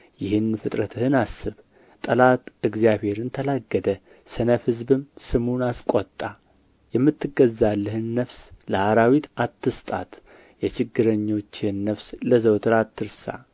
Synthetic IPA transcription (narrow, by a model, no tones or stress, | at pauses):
jɪhɨnfɨt̪ʼɾət̪ʰɨhɨnasːɨβ | t̪ʼəlat̪ɨɡzijaβhe̞ɾɨnt̪ʰəlaɡːəd̪ə | sɨnəfhɨzbɨmsɨmunaskʷʼot̪ʼːa | jɛmːɨt̪ːɨɡəzːalːɨhɨnːəfsləhaɾawit̪at̪ːɨst̪ʼa̰t̪ | jɛt͡ʃɪɡːɨɾəɲːo̞t͡ʃːɪhnːəfsləzəwt̪ʰɨɾat̪ʰːɨɾsa̰